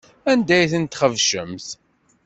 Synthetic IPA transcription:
ænd̪æjθənt̪χəvʃəmθ

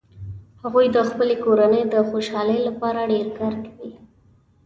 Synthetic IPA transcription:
haɣujd̪əxpəlekoɾanəjd̪əxoʃɑləjlapɑɾaɖeɾkɑɾkawi

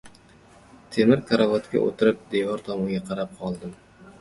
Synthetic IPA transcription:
t̪ʰemɪɾkʰaɾavɒt̪kʲa̰ʔo̰t̪ʰɪɾɪp̚d̪evɒɾt̪ʰɒmʊŋɡʲaqʰɑɾap̚qʰɒlˠd̪ɪm

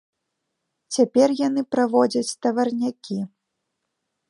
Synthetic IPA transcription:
t͡sʲapʲɛrjan̪ɨpɾavɔd͡zʲɐt͡sʲt̪ɐvɐrnʲakʲi

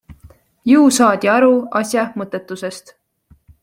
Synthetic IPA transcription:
jɨusɑːd̪̥ʲiɑɾuɑsjɑmɤt̪ːˑet̪ːˑuse̞st̪

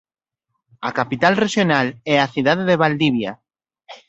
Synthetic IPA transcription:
akapit̪alreʃjonalɛaθiðaðeðeβald̪iβja

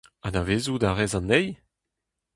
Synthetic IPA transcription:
anaveːzud̪aʁɛzɑ̃nːɛj

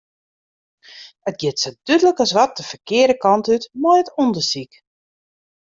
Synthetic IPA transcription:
ət̚ɡjɪtsəd̥ydələkɔsʋɔt̚dəfərkɪədəkɔntytmɔjətundəsik

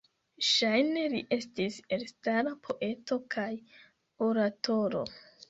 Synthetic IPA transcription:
ʃajne̞liʔe̞stiselstaɾapʰo̞ʔe̞to̞kʰaj | o̞ɾato̞ɾo̞̰

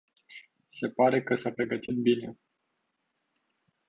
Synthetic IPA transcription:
se̞paɾe̞kəsapɾe̞ɡət̪ʰit̪̚bine̞

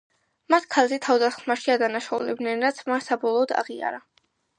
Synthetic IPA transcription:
mat̪ʰkʰalˠzɛt̪ʰavd̪asχmaʃiad̪anaʃaṵlɛb̚d̪nɛnɾat̪sʰmansabɔlˠɔːd̪a̰ʁia̰ɾa

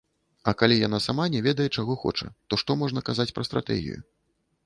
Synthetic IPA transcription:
ɐkalʲijanasamanʲɛvʲɛd̪ɐjɛt͡ʂaɣɔxɔ̰t͡ʂɐ̰t̪ɔʂt̪ɔmɔʐn̪ɐkazat͡sʲpɾɐst̪ɾa̰t̪ɛ̰ɣʲḭjṵ

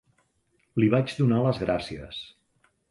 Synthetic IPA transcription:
liβad͡ʒd̪unaləzɣɾasiə̰s

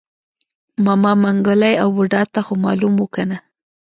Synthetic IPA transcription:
mɑmɑmaŋɡəlajawːʊɖɑt̪axomɑlumwukana

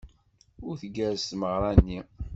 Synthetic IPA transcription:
ʊɾθəɡæɾst̪məʁɾˤɑnːi

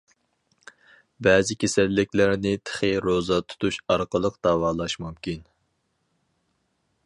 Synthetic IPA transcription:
bɛːzɪkʲʰesælːɪkʲlɪɾnɪt̪ʰə̥χɨɾozɑt̪ʰu̥t̪ʰuʃɑɾqəlˠəqd̪̥ɑwɑːlˠɑʃmumkʲin

